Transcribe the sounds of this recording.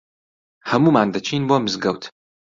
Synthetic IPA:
hɐmuːmaːnd̪ɐt͡ʃʰiːnboːmɨzɡɐwt̪ʰ

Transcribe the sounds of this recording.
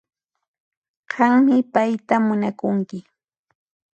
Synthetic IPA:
ɢɑŋmɪpajt̪amʊnakʊŋkɪ

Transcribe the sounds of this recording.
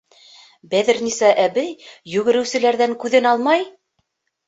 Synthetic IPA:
bæðɘ̆ɾnisæʔæβɘjːʉɣɘ̆ɾɘ̆wsɘ̆læɾðæŋkʉðɘnɑlˠmɑj

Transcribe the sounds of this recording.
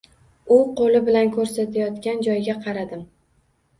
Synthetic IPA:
ʊqʰolɪbɪlankʰɵɾsat̪ʰajɒt̪kʲand͡ʒɒjɡʲaqʰɑɾad̪ɪm

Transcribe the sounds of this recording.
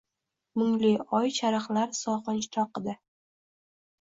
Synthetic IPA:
mʊŋliɒjt͡ʃʰaɾɨχlaɾsɒχɨnt͡ʃt̪ʰɒqɨd̪ɪ

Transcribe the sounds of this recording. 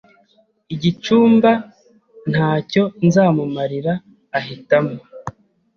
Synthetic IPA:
iɟit͡ʃuːmba | n̥haːco̞nzaːmumaɾiɾaː | ɦitamo

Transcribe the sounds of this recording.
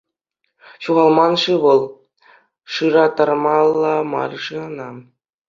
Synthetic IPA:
ɕuʁɑlˠmɑnʂɯʋɤ̆lˠ | ʂɯɾɑt̪ɑrmɑlˠːɑmɑ̰rʂɯɤnɑ

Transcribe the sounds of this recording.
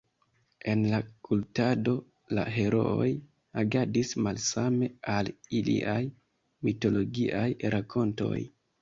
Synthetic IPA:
e̞nlakʰultado̞ | la̰ɦe̞ɾo̞̰o̰j | aɡadismalsame̞alilḭʔaj | mito̞lo̞ɡiʔajɾakʰo̞nto̞̰j

